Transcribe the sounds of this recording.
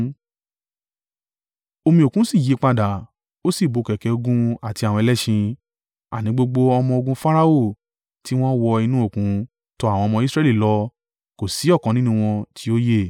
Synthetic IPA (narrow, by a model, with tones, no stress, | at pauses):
o˧mĩ˧o˨kũ˦si˦˨ji˨˦k͡pa˧da˨ | o˦si˦˨bo˨˧˨kɛ˨kɛ˨˧o˧ɡũ˦a˨ti˧a˨wɔ̃˧ɛ˧lɛ˦ʃĩ˧ | a̰˨nĩ˨˦ɡ͡bo˧ɡ͡bo˧ɔ˧mɔ̃˧o˧ɡũ˧fa˦ɾa˦o˦˨ | ti˦w̃ɔ̃˦wɔ˧i˧nũ˦o˦˨kũ˨˦ | tɔ˧˦a˨w̃ɔ̃˧mɔ̃˧i˦sɾɛ˦li˦˨lɔ˧˦ | ko˨si˨˦ɔ˦˨kɔ̃˨˦nĩ˦nũ˦w̃ɔ̃˧tʰi˨˦o˦je˦˨